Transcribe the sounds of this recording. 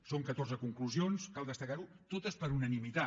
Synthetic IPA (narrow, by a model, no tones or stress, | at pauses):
soŋkət̪orzəkuŋkluzionskalˠd̪əst̪əkaɾu | t̪ot̪əspəɾunənimit̪a